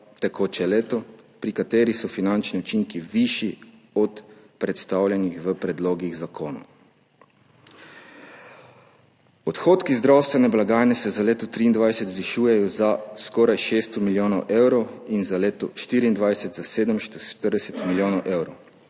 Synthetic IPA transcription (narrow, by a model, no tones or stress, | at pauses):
t̪ɛkʰoːt͡ʃɛleːt̪ɔpɾikat̪eːɾixsɔfinant͡ʃniɔt͡ʃiŋkiʋiʃi | ɔt̪pɾɛt̪st̪aːwlʲjɛnixʋəpɾɛd̪loːɡiɣzakoːno̰ | ɔt̪xoːt̪kizd̪ɾawst̪ʋɛnɛblaɡaːjnɛsɛzaleːt̪ɔt̪ɾiːnd̪ʋajsɛt̪zʋiʃuːjɛjɔzaskɔːɾajʃeːst̪ɔmiljoːnɔwʔewɾɔwinzaleːt̪ɔʃt̪iːɾiːnd̪ʋajsɛt̪zaseːd̪əmʃʃt̪əɾd̪ɛsɛt̪miljoːnɔwʔewɾɔw